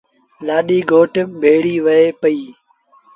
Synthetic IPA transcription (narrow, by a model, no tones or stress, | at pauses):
laːɗiːɡʱoːʈbʱeːɽiːʋəeːpəiː